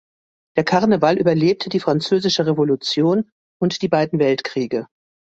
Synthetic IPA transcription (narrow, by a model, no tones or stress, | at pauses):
d̥eːɐkʰaɐnəvalʔy̰ːbɐleːp̚tʰəd̥iːfʁ̥ant͡søːzɪʃəʁevolut͡sjoːn | ʊntd̥iːbaɪdn̩vɛltkʁ̥iːɡə